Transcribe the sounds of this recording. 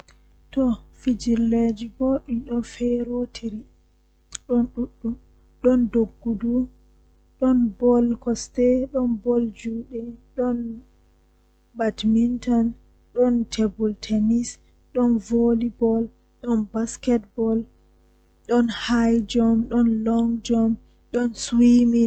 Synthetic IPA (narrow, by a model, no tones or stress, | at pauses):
tɔfid͡ʒiɾled͡ʒiboːɗiɗɔnfɛɾotʰiɾi | ɗɔnɗuɗːu | ɗɔndoɡːudu | ɗɔnbɔlkɔstɛɗɔnbɔld͡ʒuːɗɛɗɔn | batmintɔn | ɗɔntʰebɔltʰɛnis | ɗɔnvolibɔl | ɗɔnbaskɛt̚bɔl | ɗɔnhajd͡ʒɔmɗɔnlɔŋd͡ʒɔm | ɗɔnswimi